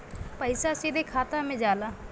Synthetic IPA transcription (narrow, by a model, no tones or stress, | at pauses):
pəɪsasid̪ekʰaːt̪amẽd͡ʒaːlaː